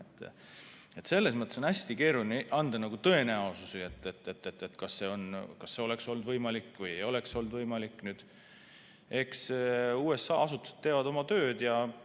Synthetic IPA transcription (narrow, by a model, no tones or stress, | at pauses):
et̪ːˑ | e̞t̪se̞lːe̞s̬mɤt̪ːˑeso̞næsʲt̪ike̞ːɾulʲineʔɑnd̪̥ɑnɑɡut̪ɤ̞e̞næosusiet̪ːet̪ːet̪ːet̪ːet̪ːkɑsːe̞o̞nkɑsːe̞o̞le̞kso̞lnd̪vɤjmɑlikːˑvɯjejo̞le̞kso̞ld̪vɤjmɑlikːˑnyːd̪̥ | e̞ksuːe̞sːɑ̰ːɑsut̪ːˑu̥se̥t̪ːeːvɑd̪o̞mɑt̪ø̞ːd̪̥jɑ